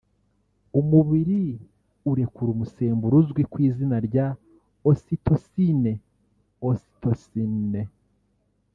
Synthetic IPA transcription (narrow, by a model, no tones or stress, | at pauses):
umuβiɾi | uɾe̞kuɾumuse̞ːmbuɾuzɡwikwiːzinaɾɟa | ositʰo̞sine | osi̥tosine